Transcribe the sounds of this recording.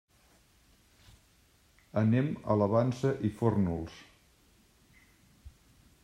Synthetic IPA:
ənemə̰ləβansəʔifornulˠs

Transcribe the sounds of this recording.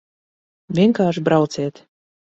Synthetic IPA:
ʋʲeŋkɑːʃbɾɑwt͡set̪

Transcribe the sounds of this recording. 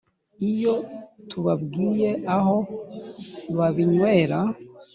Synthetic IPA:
ijo̞tʰuβabɡiːje̞ʔaɦo̞ | ɾwaβiɲwe̞ːɾa

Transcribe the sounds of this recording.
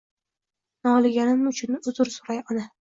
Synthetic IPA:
nɒlˠɪɡʲanɪmʊt͡ʃʰʊnɪʊzʊɾsʊɾajɒna

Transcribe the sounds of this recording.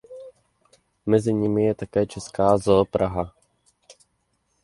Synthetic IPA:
mɛzɪɲɪmɪjɛt̪akɛːt͡ʃɛskaːzoːpɾʔaɦa

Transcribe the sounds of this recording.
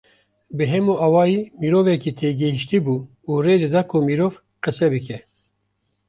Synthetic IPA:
bɨɦɛmuʔɑːwɑːjiːmiːɾoːvɛkiːt̪ʰeːɡɪhiʃt̪iːbuː | uːreːd̪ɨd̪ɑːkʰumiːɾoːv | qɨsɛbɨkʰɛ

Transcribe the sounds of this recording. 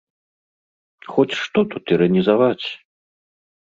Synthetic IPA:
xɔt͡sʲʂt̪ɔt̪ut̪iɾɐnʲizavat͡sʲ

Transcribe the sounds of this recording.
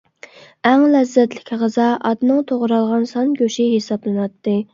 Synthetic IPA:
æŋlɛzːɛt̪lɪ̥kʲʰʁəzɑʔɑd̪nɨŋt̪ʰoʁɾɑlˠʁɑnsɑnɡʲoʃiɦesɑblˠɨnɑt̪ːɨ

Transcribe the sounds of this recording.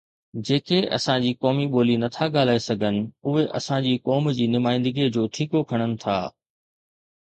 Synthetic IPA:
d͡ʑeːkeɐ̰sãd͡ʑiːkɔːmiɓoːlinɐt̪ʰaɠaːl̤aːesɐɡʱənɪ̆ʊɦeʔɐ̰sãd͡ʑiːkɔːmd͡ʑiːnʊmaːɪ̃nd̪əɡid͡ʑoːʈʰiːkokʰɐɽ̃ənɪ̆t̪ʰa̰ː

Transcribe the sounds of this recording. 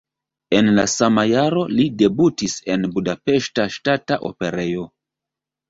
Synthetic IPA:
e̞nlasamajaɾo̞lide̞butise̞nbudape̞ʃtaʃtataʔo̞̰pe̞ɾe̞jo̞

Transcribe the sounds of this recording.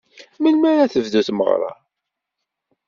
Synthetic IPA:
məlmæɾæθəvðuθmə̰ʁɾˤɑ̰

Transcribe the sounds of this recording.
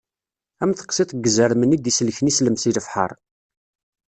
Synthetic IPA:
æmθə̥qsˤit̪ˤɡːəzəɾmənid̪islçnisləmsiləfħə̰ɾˤ

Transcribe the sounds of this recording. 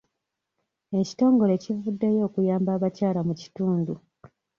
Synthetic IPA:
e̞ci̥to̞ːŋɡo̞le̞civudːe̞jo̞ːkujaːmbaːβacaːlamuci̥tuːndu

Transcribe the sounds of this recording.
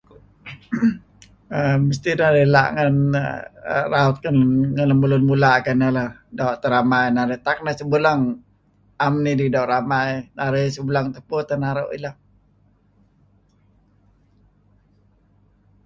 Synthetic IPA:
əməst̪inaɾəla̰ʔŋən̰ | raut̪̚kənŋənləməlʊnmulakanələdaoʔt̪əɾamajnaɾət̪ak̚nəsəbulaŋ | amnididauʔɾamajnaɾesəbəlaŋt̪əpʊt̪ənaɾaʔḭla

